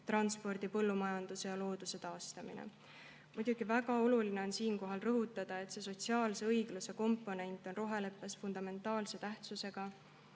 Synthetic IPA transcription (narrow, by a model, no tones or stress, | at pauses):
t̪rɑnspo̞rd̪̥ipɤlːumɑjɑnd̪̥use̞jɑlo̞ːd̪̥use̞t̪ɑːst̪ɑmḭnḛ | mud̪̥uɡ̥ivæɡɑo̞luline̞o̞nsiːnko̞ɦɑlrɤɦut̪ːˑɑd̪̥ɑe̞t̪se̞so̞t̪ʲsiɑːlse̞ɤjɡ̥luse̞ko̞mpːˑo̞ne̞nʲt̪ˑːo̞nro̞ɦele̞pːˑe̞sfund̪̥ɑme̞nt̪ːˑɑːlse̞t̪æht̪suse̞ɡ̥ɑ